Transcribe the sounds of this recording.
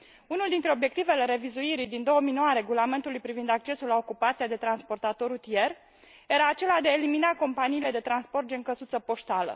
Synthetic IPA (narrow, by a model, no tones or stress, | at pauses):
unuld̪int̪ɾeo̞bje̞k̚t̪ive̞le̞ɾe̞vizuiɾid̪ind̪o̞wəminoowaɾe̞ɡulame̞nt̪ulujpɾivind̪ak̚t͡ʃe̞sulaokupat̪siad̪e̞t̪ɾanspo̞rt̪at̪o̞ɾut̪ie̞r | e̞ɾaːt͡ʃe̞lad̪eaeliminako̞mpaniːle̞d̪e̞t̪ɾanspo̞rt̪̚d͡ʒeŋkəzut̪səpo̞ʃt̪alə̰